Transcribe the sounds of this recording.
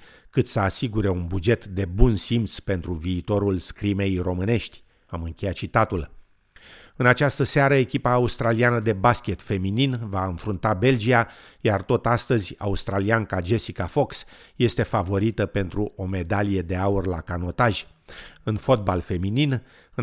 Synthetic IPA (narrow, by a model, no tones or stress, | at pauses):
kɨt̪səasiɡuɾe̞unbud͡ʒe̞t̪d̪e̞bunsimt̪spe̞nt̪ɾuviːt̪o̞ɾulskɾime̞jro̞mɨne̞ʃt̪ʲ | amɨŋkʲe̞jat̪̚t͡ʃit̪at̪ul | ɨnat͡ʃast̪əseaɾəe̞kʲipaːust̪ɾalianəd̪e̞baskʲe̞t̪fe̞mininvaɨnfɾunt̪abe̞ld͡ʒia | jart̪o̞t̪ast̪əzʲa̰ust̪ɾaliankad͡ʒe̞sikafo̞ksje̞st̪e̞favo̞ɾit̪əpe̞nt̪ɾuʔo̞me̞d̪alije̞d̪e̞aurlakano̞t̪aʒ̥ʲɨnfo̞t̪̚balfe̞minin | ɨ